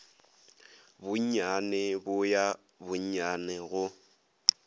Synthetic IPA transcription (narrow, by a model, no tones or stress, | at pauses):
bʊɲanɛbʊja | bʊɲɲanɛɣʊ